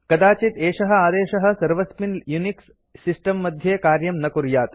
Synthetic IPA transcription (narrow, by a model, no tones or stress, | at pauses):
kɐd̪aːt͡ʃit̪eːʂɐɦɐ̆aːd̪eːʃɐɦɐ̆sɐɾʋɐspinjuniksː | isʈɐmːɐd̪ʱjeːkaːɾjɐmnɐkuɾjaːt̪